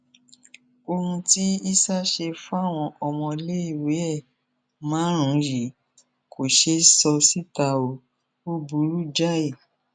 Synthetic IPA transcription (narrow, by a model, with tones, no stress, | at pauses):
o˧hũ˧ti˦i˦sa˦ʃe˧fu˦a˦˨w̃ɔ̃˧ʔɔ˨mɔ̃˧le˦i˦˨we˨˦ɛ˦˨ | mãː˨˦ɾ̃ũ˨˦ɾi˨ | kʰo˨ʃe˧˦sɔ˧si˦ta˧o˧˦ | o˦bu˨˦ɾu˦d͡ʒa˦e˦˨